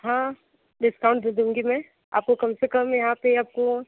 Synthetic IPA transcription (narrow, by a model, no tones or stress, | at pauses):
ɦãː | ɖɪskaʊ̃ɳʈd̪eːd̪ũːŋɡimɛ̃ː | a̰ːp̚kokɐmsekɐmjɐɦãpeaːp̚ko